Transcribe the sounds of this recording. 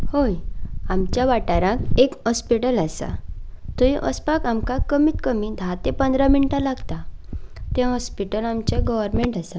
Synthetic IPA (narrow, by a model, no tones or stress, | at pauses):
hojamt͡ɕjaʋaʈaɾãkekhɔspiʈəlasa̰t̪ɔiʔɔ̰spakamkakəmiːt̪kəmiːd̪ʱat̪epənd̪ʱɾaminʈãlaɡt̪at̪ẽɦɔspiʈəlamt͡ɕeɡɔʋəɾmeɳʈasa